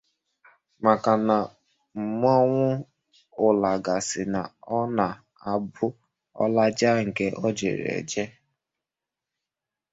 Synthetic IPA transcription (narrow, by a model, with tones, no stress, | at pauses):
ma˨ka˨na˨ | m̩˨m˦ɔ˦ŋʷʊ˦ | ʊ˨la˨ɡa˨sɪ˨na˨ɔ˦na˨ | a˨bʊ˦ | ɔ̰˦la˦d͡ʒa˦ŋ̩˨ke˦ʔɔ˦d͡ʒḛ˨ɾḛ˨d͡ʒe˦